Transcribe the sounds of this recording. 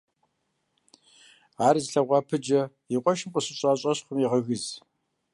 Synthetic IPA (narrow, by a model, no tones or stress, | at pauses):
aːɾizɬɐʁʷɑːpʰɨd͡ʒɐ | iqʷʼɔʃɪmpʷʼʊɕɪɕʼaːɕʼɐɕχʷʊmiʁɐɣɨz